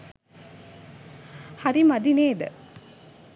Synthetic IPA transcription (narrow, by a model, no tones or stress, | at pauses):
hɐɾimɐd̪ineːd̪ə̰